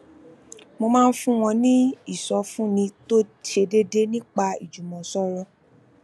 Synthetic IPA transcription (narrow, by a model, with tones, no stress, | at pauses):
mo˧mãː˦˧n̩˦fũ˦w̃ɔ̃˧nĩ˦i˦˨sɔ˨˦fũ˦nĩ˧to˦te˧de˦de˦nĩ˦k͡pa˧ḭ˨d͡ʒu˨mɔ̃˨sɔ˦ɾɔ˧